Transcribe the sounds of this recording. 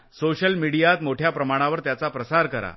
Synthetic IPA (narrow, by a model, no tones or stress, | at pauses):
soɕəlmiɽijat̪moʈʰjapɾəmaɽ̃aʋəɾt̪jat͡sapɾəsaɾkəɾa̰